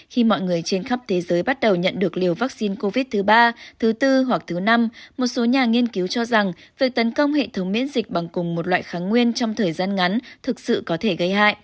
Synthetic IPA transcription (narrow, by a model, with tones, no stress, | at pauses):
xi˧mɔ̰˧˨jŋɨ˨˩əjt͡ɕe˧nxa˦˥p̚t̪ʰe˨˦zəː˨˦jɓa˦˥t̚ɗə˨˩wɲə̰˧˨nɗɨ˨˩ək̚li˨˩əwvaː˦˥k̚si˧nko˧vi˦˥t̚t̪ʰɨ˨˦ɓaː˧t̪ʰɨ˨˦t̪ɨ˧ɦwa˨˩k̚t̪ʰɨ˨˦na˧mmo˨˩t̚so˨˦ɲaː˨˩ŋi˧ənki˨˦wt͡ɕɔ˧za˨˩ŋvi˨˩ək̚t̪ə˨˦nkə˧wŋ͡mɦḛ˧˨t̪ʰə˨˦wŋ͡mmḭ˧˥ənzï˨˩k̟̚ɓa˨˩ŋkʊ˨˩ŋ͡mmo˨˩t̚lwa̰ː˧˨jxaː˨˦nŋwi˧ənt͡ɕɔ˧wŋ͡mt̪ʰəː˨˩jzaː˧nŋa˨˦nt̪ʰɨ˨˩k̚sɨ̰˧˨kɔ˨˦t̪ʰe˧˩ɣə˧jha̰ː˧˨jʔ